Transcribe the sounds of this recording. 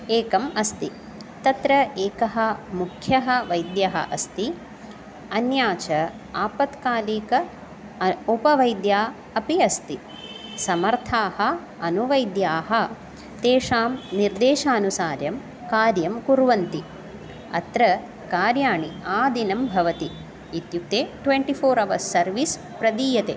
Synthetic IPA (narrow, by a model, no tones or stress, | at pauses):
eːkɐmɐst̪i | t̪ɐt̪ɾɐeːkɐɦɐ̆mukʰjɐɦɐ̆ʋɐjd̪jɐɦɐ̰ʔɐst̪i | ɐnjaːt͡ʃɐ | aːpɐt̪kaːliːkɐ | upɐʋɐjd̪jaː | ɐpiɐst̪i | sɐmɐɾt̪ʰaːhɐ̆ | ɐnuʋɐjd̪jaːɦɐ | t̪eːʂaːmniɾd̪eːʃaːnusaːɾjɐm | kaːɾjɐmkuɾʋɐnt̪i | ɐ̰t̪ɾɐ | kaːɾjaːɳiaːd̪ʱinɐmbʱɐʋɐt̪i | it̪juk̚t̪eːʈʋeɳʈipʰoːɾɐʋɐsɐɾʋis | pɾɐd̪iːjɐt̪eː